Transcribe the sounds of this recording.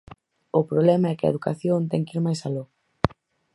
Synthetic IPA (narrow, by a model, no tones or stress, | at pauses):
ʊpɾoβlɛmɐɛkɐ̰eðukaθjont̪ɛŋkiɾmajsalo